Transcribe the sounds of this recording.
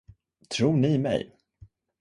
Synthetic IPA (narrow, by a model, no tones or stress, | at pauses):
t̪ʰɾuːnɪmɛ̰j